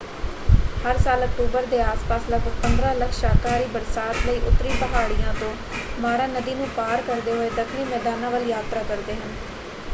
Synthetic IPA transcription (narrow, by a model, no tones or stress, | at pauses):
həɾsaːlək̚ʈuːbəɾd̪eːaːspaːsləkəpənd̪ɾãːləkʃaːkaːɾiːbəɾsaːt̪ləiːʔʊt̪ːɾiːbəɦaːɽijãːt̪õː | maːɾãːnəd̪iːnũːpaːɾkəɾd̪eːɦoeːd̪əkʰniːmɛːd̪aːnãːʋəljaːt̪ɾaːkəɾd̪eːɦən